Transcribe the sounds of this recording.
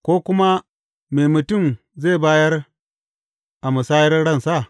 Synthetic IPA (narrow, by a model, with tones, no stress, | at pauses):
kʷoː˦kʷʊ˦ma˦ | meː˨mu˨tu˦˨m | ze˦˨baː˦jɐ˦r | ʔa˨mu˨saː˦ji˦rɽɐ˦˨nsa˦˨